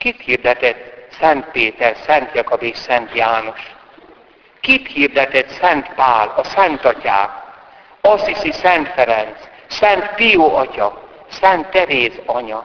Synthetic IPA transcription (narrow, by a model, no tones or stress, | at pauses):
kit̪hird̪ɛt̪ɛt̪sɛnt̪peːt̪ɛrsɛnt̪jɒkobeːʃsɛnt̪jaːnoʃ | kit̪hird̪ɛt̪ɛt̪sɛnt̪paːlɒsɛnt̪ɒca̰ːk | ɒsisisɛnt̪fɛɾɛnt̪s | sɛnt̪pijoːɒcɒ | sɛnt̪ːɛɾeːzɒɲɒ